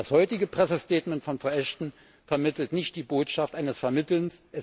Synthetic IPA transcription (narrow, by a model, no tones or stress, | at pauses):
d̥ashɔʏtɪɡəpʁ̥ɛsəstɛːtmɛntfɔnfɛɐʔɛʃtn̩ | fɛɐmɪtl̩tnɪçt̚d̥iːboːtʃaftʔaɪnəsfɛɐmɪtl̩nsʔɛ